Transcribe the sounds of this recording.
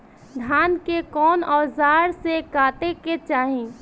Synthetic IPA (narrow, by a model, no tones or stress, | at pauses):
d̪ʱaːnkekɔːnɔːzaːɾsekaːt̪eket͡ʃaːɦĩː